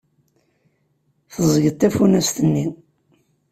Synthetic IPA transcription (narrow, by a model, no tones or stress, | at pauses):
θəzˤəʝət̪ːæfunæst̪ənːi